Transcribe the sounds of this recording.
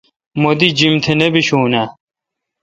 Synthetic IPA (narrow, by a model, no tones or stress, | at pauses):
mod̪id͡ʑimt̪ʰenɐbiɕuːna